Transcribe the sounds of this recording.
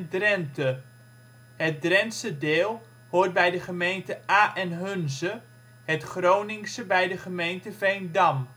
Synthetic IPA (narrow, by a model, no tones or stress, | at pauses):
drɛntə | ɦət̚drɛnsədɪːlˠ | hʊːrt̚bɛjdəχəmejntəaːʔɛnɦɵnzə | ɦətχrownɪŋsəbɛjdəχəmejntəvejndɑm